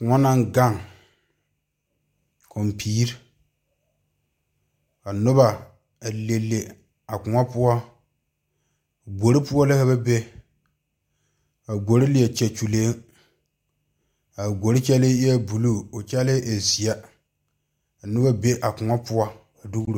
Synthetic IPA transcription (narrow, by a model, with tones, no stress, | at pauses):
kʊ˨ŋɔ˦na˦ŋɡa˦˨ŋ | kʰɔ˨mpʰiː˦ɾ | a˨nʊ˦ba˨ | a˨le˨lːe˨ | a˨kʊ˨ŋɔ˦pʊ˦ɔ˦ | a˨ɡo˨ɾi˦pʊ˦ɔ˦lɪ˦ha˦βa˦be˦ | a˨ɡo˨ɾi˦lɪ˨jɛ˨t͡ʃɛ˨t͡ʃu˨leː˦ | a˨ɡo˨ɾɪ˦t͡ʃɛ˦lɪ˦ɛ˦bu˨lu˦˨o˨t͡ʃɛ˦lɪ˦ʔe˨zi˨a˦ | a˨nʊ˦ba˦be˦ʔa˨kʊ˨ŋɔ˦pʊ˦ɔ˦ | a˨du˦ɡɾo˨